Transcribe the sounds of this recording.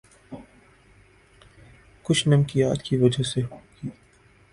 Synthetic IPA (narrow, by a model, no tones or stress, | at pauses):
kʊt͡ʃʰnɐmkija̰ːt̪kiʋɐd͡ʒaseɦoːɡ̥iː